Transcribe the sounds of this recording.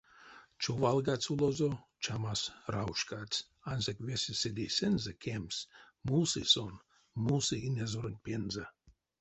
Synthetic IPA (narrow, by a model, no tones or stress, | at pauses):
t͡ʃovɑlˠɡat͡sulˠozo | t͡ʃamasrauʃkat͡s | ɑnzekvʲesʲesed̪ʲejsʲenzekʰʲems | musison | museinʲezoɾənʲpʲenze